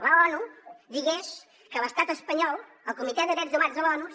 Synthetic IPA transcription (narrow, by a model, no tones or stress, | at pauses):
ləɔnuðiɣeʃ | kələst̪at̪əspəɲɔlˠ | əlˠkumit̪ɛðəɣɾɛt̪zðumazðəlɔnu